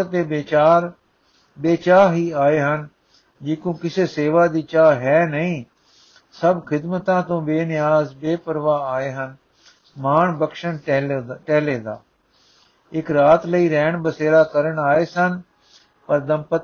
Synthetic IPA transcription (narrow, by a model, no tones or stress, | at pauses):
t̪eːbet͡ʃaːɾ | beːt͡ʃaːɦiːaːeːɦən | d͡ʒiːkõːkɪseːseːʋaːd̪iːt͡ʃaːɦɛːnəĩː | səbkʰɪd̪mət̪ãːt̪õːbeːnɪjaːzbeːpəɾʋaːaːeːɦən | maːɳbəkʃənʈɛːleːd̪aː | ɪkɾaːt̪ləiːɾɛːɳbəseːɾaːkəɾəɳaːeːsən | pəɾd̪əmpət̪